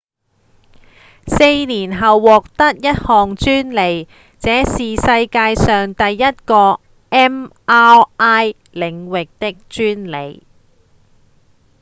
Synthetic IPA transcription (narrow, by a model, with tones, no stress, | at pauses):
se˧jniː˨˩nɦɐ˨wːɔː˨k̚t̪ɐ˥k̚jɐ˥t̚hɔː˨ŋt͡ʃyː˥nle˨˩j | t͡sɛː˨˥siː˨sɐ˧jkaː˧jsœː˨ŋt̪ɐ˨jːɐ˥t̚kɔː˧ | ʔɛː˥mʔaː˥aː˥j | lɪ˨˩ŋwɪ˨k̚t̪ɪ˥k̚t͡ʃyː˥nlḛ˨˩j